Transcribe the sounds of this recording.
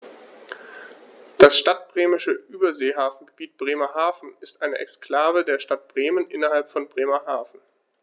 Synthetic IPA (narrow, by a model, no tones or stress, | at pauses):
d̥asʃtat̚b̥ʁeːmɪʃəʔyːbɐzeːɦaːfn̩ɡəb̥iːt̚b̥ʁeːmɐɦaːfn̩ɪstʔaɪnəʔɛ̰kskl̥aːvədeːɐʃtat̚b̥ʁeːmənʔɪnɐhalpfɔnbʁeːmɐɦaːfn̩